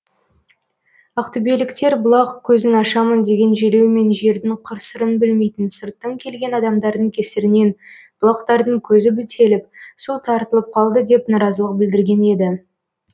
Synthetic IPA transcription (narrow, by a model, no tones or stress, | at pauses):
ɑqt̪ɵbe̞lɪkt̪e̞ɾbʊlˠɑqkʲʰɵzɪnɑʃɑmənd̪e̞ɡʲe̞nʒele̞wme̞nʒe̞ɾd̪ɪɴqʰəɾsəɾənbɪlme̞jt̪ɪnsəɾt̪ːəɴkʲʰe̞lɡʲe̞nɑd̪ɑmd̪ɑɾd̪əɴkʲʰesɪɾɪne̞n | b̥ʊlˠɑqt̪ɑɾd̪əɴkʲʰɵzɪbɪt̪ʰe̞lɪp̚sut̪ʰɑɾt̪əlˠəp̚qʰɑlˠd̪əd̪e̞pnɑɾɑzəlˠəq̚bɪld̪ɪɾɡʲe̞ne̞d̪ɪ